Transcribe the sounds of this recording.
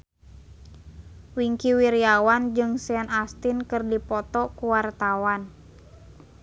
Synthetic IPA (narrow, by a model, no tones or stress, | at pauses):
wiŋkiwiɾiawand͡ʒɨŋsɛanast̪inkɨrdipɔt̪ɔkuwart̪awan